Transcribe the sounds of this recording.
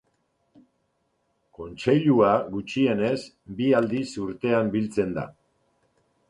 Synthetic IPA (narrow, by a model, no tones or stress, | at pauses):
ko̞nt͡ʃe̞ʎuaɣut͡ʃie̞ne̞s | biald̪isuɾt̪e̞ambilt͡se̞nd̪a̰